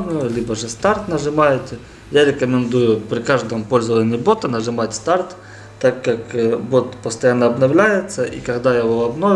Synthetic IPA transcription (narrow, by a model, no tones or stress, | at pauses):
bnʊjʊlʲibəʐɨst̪art̪nɐʐɨmajɪt̪ʲ | jaɾʲɪkəmʲɪnd̪ujʊpɾʲɪkaʐd̪əmpo̞lʲzəvənʲɪbo̞t̪ɐnɐʐɨmatʲst̪art̪ː | akːakbot̪pəst̪ɐjanːəɐbnɐvlʲæjɪt̪səʔḭkɐɡd̪ajavoɐbno